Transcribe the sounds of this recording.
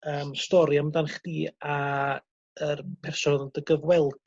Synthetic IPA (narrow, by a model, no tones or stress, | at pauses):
əːmstɔɾiamdanχd̥iːa | ərpʰɛrsɔndəɡəvwɛlˠd